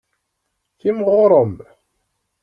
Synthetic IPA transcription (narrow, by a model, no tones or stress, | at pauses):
θimʁʊɾˤəm